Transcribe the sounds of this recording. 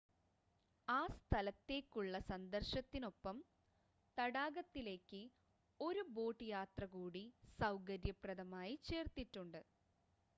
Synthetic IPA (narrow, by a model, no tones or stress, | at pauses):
aːst̪ʰɐlɐt̪ːe̞ːkʲːuɭːɐsɐnd̪ɐrɕɐt̪ːino̞pːɐm | t̪ɐɽaːɡɐt̪ːile̞ːkːɨ | o̞ɾubo̞ːʈːɨjaːt̪rɐkuːɽisɐwkɐɾjɐprɐðɐmaːjit͡ɕe̞ːrt̪iʈːuɳɖɨ